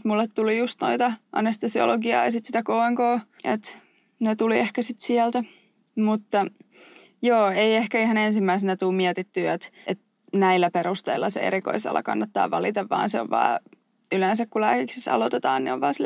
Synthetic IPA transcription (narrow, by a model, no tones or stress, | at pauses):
t̪mulːet̪t̪ulijust̪no̰it̪ɑʔɑ̰nest̪osio̰loɡiɑ̰ːjɑsit̪si̥t̪ækoːeŋkoːḛt̪ | net̪uliehkæsit̪siælt̪æ | mut̪ːɑ | joːeiehkæihɑnensimːæisenæt̪uːmmiɛt̪it̪ːyet̪ʔet̪ | næilːæpeɾust̪ḛilːɑsḛḛɾiko̰isḛlːɑ̰kɑnːɑt̪ːɑ̰ːʋɑlit̪ɑʋʋɑ̰ːnseo̰ʋʋɑ̰ː | yleːnsækkulæːkiksisɑ̰lot̪et̪ɑːnnḭo̰ʋʋɑːsil